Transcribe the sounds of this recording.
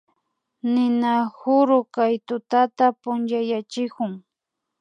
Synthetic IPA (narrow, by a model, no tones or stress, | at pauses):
nɪnahʊɾʊkajt̪ʊt̪at̪apʊnt͡ʃajat͡ʃɪkʊŋ